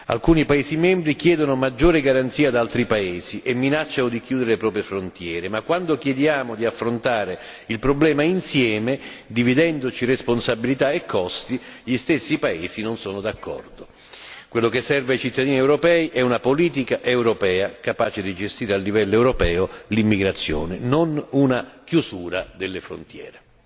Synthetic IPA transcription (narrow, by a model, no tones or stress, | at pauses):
a̰lkuːnipaeːsimɛmbɾikjɛːd̪onomad͡ʒːoːɾɪɡaɾant̪siːad̪alt̪ɾipaeːziʔemːinat͡ʃːanod̪ik̟juːd̪eɾelepɾɔːp̬ɾjefɾont̪jɛːɾemakːwand̪okjɛd̪jaːmod̪iafːɾont̪aːɾe | ilpɾoblɛːmainsjɛːmed̪ivid̪ɛnd̪ot͡ʃiresponsabilit̪aekʰːɔst̪iʎist̪esːipaeːsinonsoːnod̪akʰːɔ̰rd̪o | kwelːokesːɛrveajt͡ʃit̪ːad̪iːniɛwɾopɛːiʔɛunapoliːt̪ikaʔewɾopɛːakapaːt͡ʃed̪id͡ʒest̪iːɾealːivɛlːoɛwɾopɛːolimːiɡɾat̪sːjɔ̰ːnɪnonunakjusuːɾad̪elːefɾo̰nt̪jɛ̰ːɾe